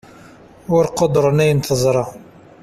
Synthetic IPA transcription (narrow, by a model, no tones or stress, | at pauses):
ʊɾqod̪ɾˤənæjənθəzˤɾˤɑ